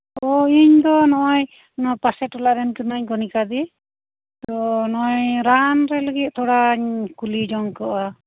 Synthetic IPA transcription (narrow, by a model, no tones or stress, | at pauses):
ɔiɲd̪ɔnɔʔɔj | nɔpasɛʈɔlaʔɾɛnkɯnaɲɡɔnikad̪ɛ | t̪ɔnɔɔjɾanɾɛləɡit̪̚ˀt̪ʰɔɽaɲkulid͡ʒɔŋkɔa